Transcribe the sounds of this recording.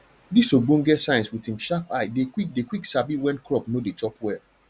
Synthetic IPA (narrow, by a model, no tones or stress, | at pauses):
disoɡ͡bõnɡɛtsãɪ̃nswitĩmʃapaɪdekwik̚dekwiksabiwɛ̃nkʰɹɔpnodet͡ʃɔpwɛ